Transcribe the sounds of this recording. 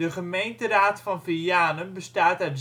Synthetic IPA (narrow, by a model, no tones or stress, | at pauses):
əχəmejntəraːtfɔnfijaːnənbəstaːtœɥt